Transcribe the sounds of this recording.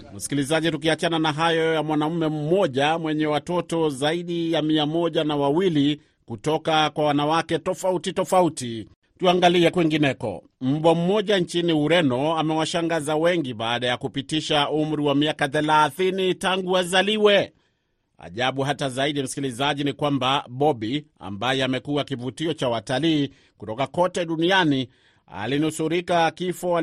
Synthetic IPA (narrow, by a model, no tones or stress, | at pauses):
m̩si̥kilizaʄituk̬iat͡ʃananaɦajɔjamwanam̩mɛm̩mɔʄamwɛɲɛwatɔtɔzaiɗijamiamɔʄanawawili | kutɔkakwawanawakɛtɔfautitɔfauti | tuaŋɡaliɛkwiŋɡinɛkɔ̰ | m̩ɓɔm̩mɔʄaɲt͡ʃiniuɾɛnɔamɛwaʃaŋɡazawɛŋɡiɓaːɗajakupitiʃaum̩ɾiwamiakaθɛlaθinitaŋɡuazaliwɛ | a̰ʄaɓuɦatazaiɗim̩si̥kilizaʄinikwambaɓɔɓia̰mbajɛamɛkuwakivutiɔt͡ʃawataliː | kutɔkakɔtɛɗuniani | a̰linusuɾikakifɔ